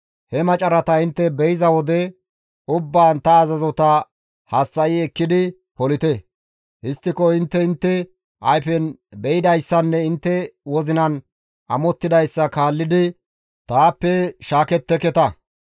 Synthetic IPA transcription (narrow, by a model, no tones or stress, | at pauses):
hɛmɐt͡ʃʼɐɾɐt̪ɐɪnt̪ːɛbɛjɪzɐwɔd̪ɛ | ʊbːaːnt̪ɐːzɐzɔt̪ɐ | hɐsːɐʔiɛkːɪd̪ɪ | pɔlɪt̪ɛ | hɪst̪ːɪkɔɪnt̪ːɛɪnt̪ːɛ | ʔɐjfɛnbɛjɪd̪ɐjsːɐnːɛɪnt̪ːɛwɔzɪnɐn | ɐmɔt̪ːɪd̪ɐjsːɐkaːlːɪd̪ɪ | t̪aːpːɛʃaːkɛt̪ːɛkɛt̪ɐ